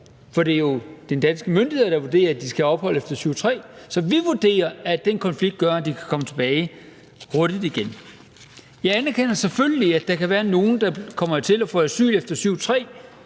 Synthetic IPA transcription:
fɒ̽de̝æjo̝d̥end̥æn̰sɡ̥əmøndihe̝ðˠɐd̥ɑ̈ʋuɐd̥e̝̰ːɐæd̥isɡ̥æɒ̽b̥hɒ̽l̰əefd̥ɐsyʊ̰t͡sʰʁɛ̰ːsɒ̽ʋiʋuɐd̥e̝̰ːɐæd̥enkʰɒ̽nfliɡ̥̚d̥ɡ̥ɶɐæd̥ikʰæ̥kʰɒ̽mət͡sʰe̝b̥ɛːɪ | ʁɔːd̥id̥iɡ̥en | jɑ̈ɪænæɐkʰen̰ɐseføləliæd̥ɑ̈kʰæʋæːɐno̝ːn̩d̥ɑ̈kʰɒ̽m̰ɐt͡sʰe̝læfɔ̰ːæsy̰ːlefd̥ɐsyʊ̰t͡sʰʁɛ̰ː

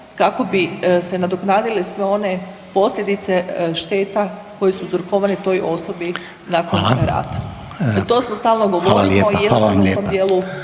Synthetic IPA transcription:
kako̞bise̞nad̪oknaːd̪ilisʋeo̞ne̞ | po̞slʲʎʲed̪it̪se̞ʃt̪e̞ːt̪ako̞jesuzɾkoʋanit̪o̞jʔo̞so̞bi | nakonɾa̰ːt̪ḁ | t̪o̞smost̪aːlˠnoɡoʋoɾijed̪meomd̪jeːlu

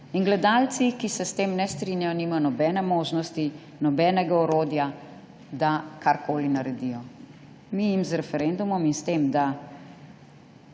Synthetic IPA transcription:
inɡlɛd̪aːlt̪sikisɛst̪eːmnɛst̪ɾinjajɔnimajɔnɔbɛːnɛmoːʒnɔst̪i | nɔbɛːnɛɡaɔɾoːd̪ja | d̪akʰaɾkoːlinaɾɛd̪ijɔ | mijimzɾɛfɛɾɛnd̪umɔminst̪eːmd̪a

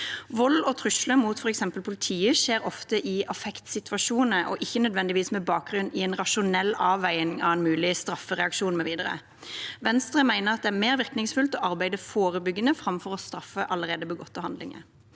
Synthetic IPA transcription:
ʋɔlːɔt̪ʰʁʉʂləmuːt̪fɔʁɛksɛmpəlpʰʊlɪt̪ʰiːəʃeːɾɔft̪əʔɪɑfɛkt̪sɪt̪ʋɑʃuːnnəʔɔ̰ʔɪçːənœd̪ʋɛnd̪ɪʋiːsmɛbɑːk̚ɡʁʉnɪɛːnʁɑʃʊnɛlːɑːʋːæɪənŋɑʋɛnmʉːlɪst̪ɾɑfːəʁɛɑkʃuːnmɛʋiːd̪əɾə̰ | ʋɛnst̪ɾəmæɪnəʁɑt̪̚d̪ɛæmeːʁʋɪʁknɪŋsfʉlt̪ɔɑʁbæɪd̪əfoːɾəbʏɡːənəfʁɑmfɔʁɔst̪ɾɑfəʔɑləʁeːd̪əbəɡɔt̪ːəhɑnd̪lɪ̰ŋə̰

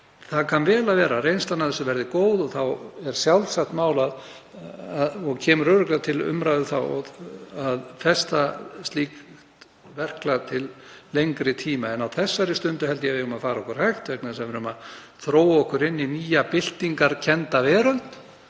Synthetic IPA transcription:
θaðkʰanvɛːlavɛːɾarejnst̪anaðθɛsːʏvɛɾðɪkoːwðɔθawɛɾ̥sjawlsakt̪maːwlað | aðɔɣcʰɛːmrœːɾʏklat̪ʰɪlʏ̰mɾaɥðʏθa̰wɔɣaðfɛst̪ast̪liːkt̪ | vɛr̥klat̪ʰɪllejŋkɾɪt̪ʰiːmaɛnawθɛsːaɾɪst̪ʏnt̪ʏhɛlt̪ɪjɛvɪɣʏmaðfaːɾaɔkʏɾ̥hajxt̪vɛknasɛvɛɾʏma | θɾoːwɔhkʏɾɪnːiniːjapɪl̥t̪iŋkaɾ̥cʰɛnt̪avɛːɾœlt̪

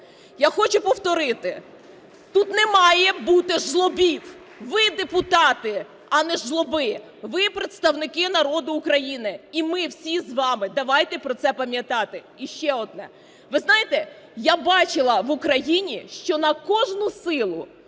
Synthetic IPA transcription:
jaxɔt͡ʃʊpɔwt̪ɔɾɪt̪ɪ | t̪ut̪nɛmɑjɛbut̪ɪʒlˠɔbʲiw | ʋɪd̪epʊt̪ɑt̪ɪ | ɐnɛʒlˠɔbɪ | ʋɪpɾet̪st̪ɐwnɪkɪnɐɾɔd̪ʊːkɾɐjinɪimɪwsʲizʋɑmɪd̪ɐʋɑjt̪ɛpɾɔt̪sɛpɐmʲjɐt̪ɑt̪ɪ | iʃt͡ʃɛɔd̪̚nɛ | ʋɪznɑjɪt̪ɛ | jabɑt͡ʃɪlˠɐʋʊkɾɐjinʲiʃt͡ʃɔnɐkɔʒnʊsɪlˠʊ

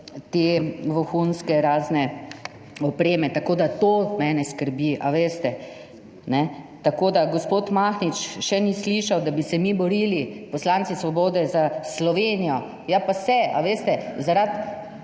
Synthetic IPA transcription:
t̪eʋoxunskɛɾaːznɛ | ɔpɾeːmɛt̪akoːd̪at̪oːmɛnɛskəɾbiʔaʋeːst̪ɛ | nɛ | t̪akoːd̪aɡɔspoːt̪maxnit͡ʃʃɛnisliʃawd̪abisɛmibɔɾiːlipɔslant̪sisʋɔboːd̪ɛzaslɔʋeːnijɔ | japasɛa̰ʋeːst̪ɛzaɾat̪

